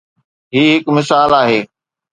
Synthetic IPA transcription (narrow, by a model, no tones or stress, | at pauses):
ɦiːɦɪkmɪsaːlaːɦeː